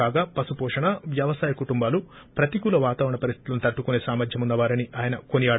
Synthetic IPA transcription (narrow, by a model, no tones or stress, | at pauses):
aːɡaːpɐsupɔːʂɐɳɐʋjɐʋɐsaːjɐkuʈumbaːlu | pɾɐt̪ikuːlɐʋaːt̪aːʋɾɐɳɐpɐɾist̪it̪ulɐnit̪ɐʈːukune̞ːsaːmɐd̪ʱjɐmunːɐʋaːɾɐniʔaːjɐnɐkoniaːɽ